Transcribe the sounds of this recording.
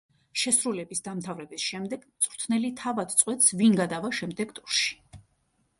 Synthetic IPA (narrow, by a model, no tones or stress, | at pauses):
ʃɛsɾulɛbisd̪amt̪ʰavɾɛbisʃɛmd̪ɛɡt̪sʼɾt̪ʰnɛlit̪ʰavad̪̥t̪sʼwɛt̪svinɡad̪avaʃɛmd̪ɛɡt̪ʼuɾʃi̥